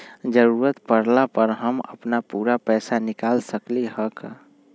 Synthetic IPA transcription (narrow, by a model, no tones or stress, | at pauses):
d͡ʒəɾuːɾət̪pəɾlapəɾɦəmə̰pnapuːɾapɛːsanɪkaːlsəkleɦəka